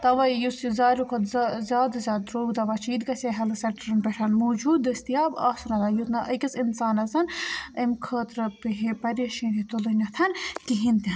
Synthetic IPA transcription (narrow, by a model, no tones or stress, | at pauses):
t̪ɐʋɐjjuszaːɾʲukʰɐt̪zzʲaːd̪zʲaːd̪ɾoːɡd̪ɐʋɐt͡ʃʰiːd̪kɐsʲɐɦɐlɨsɐʈɾɐnpʲɐʈʰɐnmoːd͡ʒuːd̪ɐsʲt̪ijaːbaːsɐnɐd̪ɐːjut̪nɐʔɐkʲɐsinsaːnɐzɐnɐmkʰəːt̪ɾɨpiɦepɐɾeʃĩːnd̪it̪olɨnʲɐt̪ʰɐnkiɦint̪i